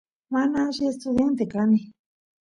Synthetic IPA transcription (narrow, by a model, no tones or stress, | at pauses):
mãnãʒiest̪uðent̪ekanĩ